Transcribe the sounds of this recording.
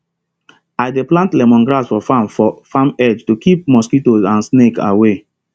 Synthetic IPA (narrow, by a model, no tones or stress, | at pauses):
aɪdeplãntlɛmɔ̃nɡɾasfɔfãmfɔfãmɛd͡ʒtukip̚mɔskitozãnsneka̰we